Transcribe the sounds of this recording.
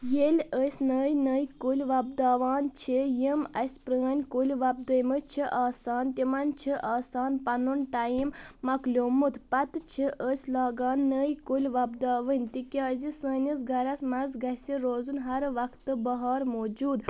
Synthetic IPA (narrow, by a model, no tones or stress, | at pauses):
jelʲəsʲnəːjnəːjkulʲʋɐb̚d̪aːʋaːnt͡ʃʰijimɐsʲpɾəːnʲkulʲʋɐb̚d̪əjmɨt͡ʃʰiʔaːsaːnt̪ʲimɐnt͡ʃʰiʔaːsaːnpɐnunʈɐimːɐklʲoːmut̪ʰpɐt̪t͡ʃʰiʔəsʲlaːɡaːnːəːjkulʲʋɐbd̪aːʋɨnʲt̪ikʲaːzisəːnʲis̬ɡɐɾɐsmɐzɡɐsʲiɾoːzunɦɐɾʋɐkʰt̪ːɨbɐɦaːɾmoːd͡ʒuːd̪